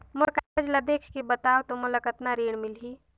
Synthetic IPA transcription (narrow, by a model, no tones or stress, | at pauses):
mʊɾkaəd͡ʒlad̪ekʰkebət̪awt̪omʊləkət̪naɾiːɽ̃milɦi